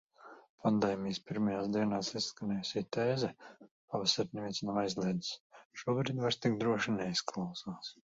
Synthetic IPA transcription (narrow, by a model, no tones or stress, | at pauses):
pʰand̪ɛːmʲijspiɾmajaːsd̪iɛnaːsisːkanʲɛːjusʲiːt̪eːzɛpavɛsaɾnɛvinsnamajzlʲˠiɛd̪isʃuɔbɾiːd̪vaɾst̪ikd̪ɾuɔʃinɛisklˠawsaːs